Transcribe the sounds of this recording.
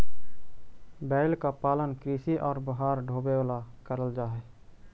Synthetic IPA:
bɛːlkapaːlənkɾiːsiʔɔːɾbəɦaːɾɖʱoːbewalakəɾəld͡ʒaːɦɛː

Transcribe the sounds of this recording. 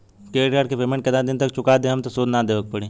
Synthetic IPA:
keːʈkaːʈkepeːmẽɳʈkɐd̪ad̪ɪnt̪ɐk̚t͡ʃʊkaːd̪ẽɦɐmt̪osoːd̪nad̪eːʋəɡ̚pɐɽeː

